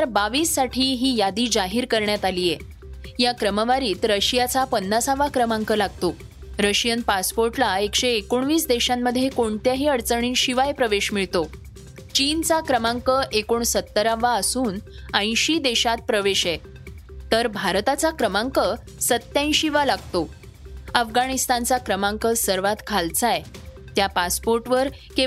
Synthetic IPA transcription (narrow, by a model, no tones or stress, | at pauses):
aɾbaʋiːsːaʈʰiːɦiːjad̪iːd͡zaɦiːɾkəɾɳjat̪alije | jakɾəməʋaɾiːt̪ɾəɕjat͡sapənːasaʋakɾəmaŋkəlaɡ̚t̪o | ɾəɕjənpaspoɾʈlaekɕeːkuɳʋiːsd̪eɕamːəd̪ʱːjekoɳt̪jaɦiːəɽt͡səɳ̃iːnɕiʋajpɾəʋeɕmiɭt̪o | t͡ɕint͡sakɾəmãŋkəʔekoɳsət̪ːəɾaʋaəsuːnə̃j̃ɕiːd̪eɕat̪̚pɾəʋeɕɛ | t̪əɾbʱaɾt̪at͡sakɾəmãŋkə | sət̪jãj̃ɕiʋalaɡt̪o | əfɡaɽ̃ist̪ant͡sakɾəmãŋkəsəɾʋat̪kʰalt͡saj | t̪japaspoɾʈʋəɾ | ke